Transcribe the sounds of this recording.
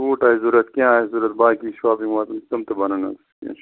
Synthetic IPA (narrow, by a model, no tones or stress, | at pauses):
uːʈaːizuɾɐt̪kʲãːzuɾɐt̪̚baːkiʃwaːpiŋwat̪t̪umt̪ɐbɐnɐnɐ̰ | kã̰